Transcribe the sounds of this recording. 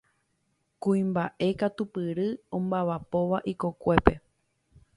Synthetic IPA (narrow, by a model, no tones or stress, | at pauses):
kuĩmbaʔe̞kat̪upɨɾɨõmbaʋapo̞ʋaʔiko̞kʷe̞pe̞